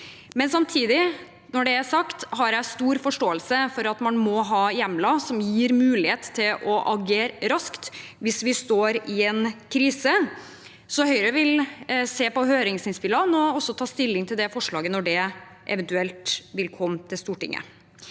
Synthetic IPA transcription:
mɛnsɑmt̪ʰiːd̪ɪ | nɔɖɛæsɑkt̪hɑɾjæɪst̪uːɾfɔʂʈoːəlsəfɔɾɑt̪mɑnmɔɦɑːjɛmlɑsɔmjiːɾmʉːlɪheːt̪t̪ʰːɪlʔɔʔɑɡeːɾɾɑskt̪ʋɪsʋɪst̪oːɾɪɛnkʰɾiːsə | sɔhœʏɾəʋɪlseːpɔɦøːɾɪŋsɪnspɪlɑnɔɔsːɔt̪ʰɑːst̪ɪlːɪŋt̪ʰɪld̪ɛfɔʂɭɑːɡənɔɖɛ | ʔɛ̰ʋɛnt̪ʉɛlt̪ʋɪlkʰɔmːt̪ʰɪlst̪uːʈɪ̰ŋːə̰

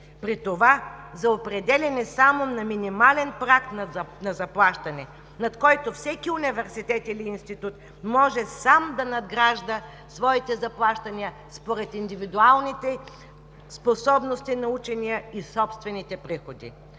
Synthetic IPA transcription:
pɾit̪ovazɐopɾɛd̪ɛlʲɛnɛsamonɐminimalɛnpɾakt̪nnɐzɐplˠaʃt̪ɐnɛ | nɐt̪kɔjt̪ofsɛkʲiunivɛɾsit̪ɛt̪iliːnst̪it̪ut̪ | mɔʒɛsamd̪ɐnɐd̪ɡɾaʒd̪ə | svɔit̪ɛzɐplˠaʃt̪ɐniə | spoɾɛt̪ind̪ivid̪ualˠnit̪ɛ | sposɔbnost̪inɐut͡ʃɛnijəisɔpst̪vɛnit̪ɛpɾixod̪ḭ

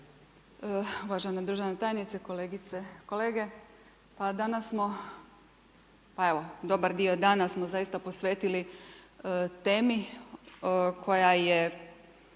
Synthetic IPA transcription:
əuʋaʒened̪ɾuʒenet̪aːjnit̪sekoleːɡit̪seko̞leːɡe̞ | pad̪anasːmo̞ | pae̞ʋo̞d̪o̞baɾd̪io̞d̪aːnasmozajist̪apo̞sʋeːt̪ili | t̪eːmi | kʰo̞jaje

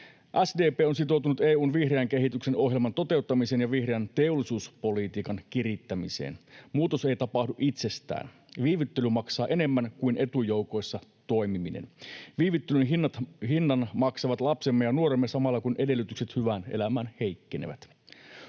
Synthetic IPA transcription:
ʔæsdeːpeːons̬it̪o̞wt̪unut̪eːuːnʋihreæŋk̟eɦit̪ykseno̞ɦjelmɑnt̪o̞t̪e̞ut̪ːɑmiseːnjɑʋihre̞ænt̪e̞olːisuːspo̞lit̪iːkɑnkirit̪ːæmise̞̰ːnmuːt̪o̞se̞jt̪ɑpɑhduʔit̪se̞st̪æ̰ːn | ʋiːʋyt̪ːelymɑksɑːʔe̞ne̞mːænkuinʔe̞t̪ujo̞wko̞jsːɑt̪o̞jmiminḛnʋiːʋit̪ːelynɦinːɑt̪ɦinːɑnmɑksɑʋɑt̪lɑpsemːejɑnuoɾemːesɑmɑlːɑkunʔe̞de̞lːyt̪ykse̞t̪hyʋænḛlæmænhe̞jkːenḛʋæ̰t̪

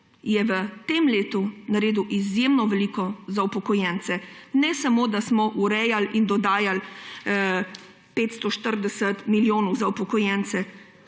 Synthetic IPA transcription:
jɛʋət̪emleːt̪unaɾeːd̪uʔizjemnɔʋɛlikɔzawpɔkɔjɛnt̪sɛnɛsamod̪asmɔʔuɾɛjalind̪ɔd̪aːjal | peːt̪st̪ɔʃt̪əɾd̪ɛsət̪miljoːnɔwzawpɔkɔjɛnt̪sɛ

